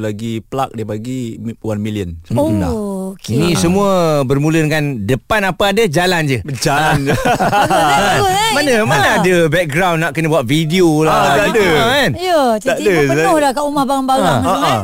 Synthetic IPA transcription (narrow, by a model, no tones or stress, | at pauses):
laɡipəlak̚diəpaɡiwanmiliənsəmənda̰kinĩsəmũəbərmũlənkandəpanapaadad͡ʒaland͡ʒəd͡ʒaan | aaəʊmanəmanaadəbɛk̚ɡɾawnːaʔkənəbuaʔ̪̚fidiolaadəanjəd͡ʒaadəəanʊhlahkaʔumahbaŋanbaɡa